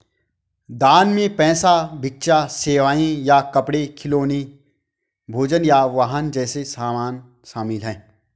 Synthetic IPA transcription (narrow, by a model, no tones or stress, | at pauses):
d̪aːnmẽpɛːsabʱɪk̚t͡ʃaseːʋaːĩjakɐpɽekʰɪloːni | bʱoːd͡ʒənjaʋaːɦənd͡ʒɛːsesaːmaːn | ʃaːmɪlɦɛ̃ː